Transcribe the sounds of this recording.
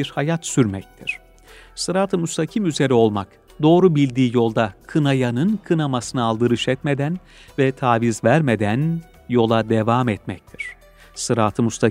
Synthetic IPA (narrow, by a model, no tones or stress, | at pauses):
iɾhajat̪syɾmɛc̚t̪ʰiɾ̝̥ | sɯɾaːt̪ʰɯmust̪ʰacʰimyze̞ɾio̞lˠmak | d̪o̞ːɾubilʲd̪iːjo̞lˠd̪akʰɯnajanɯnkʰɯnamasɯnɯalˠd̪ɯɾɯʃɛt̪me̞d̪æn | vɛt̪ʰaːvizvæɾme̞d̪æn | jo̞lˠad̪evamɛt̪mɛc̚t̪ʰiɾ̝̥ | sɯɾaːt̪ʰɯmust̪ʰa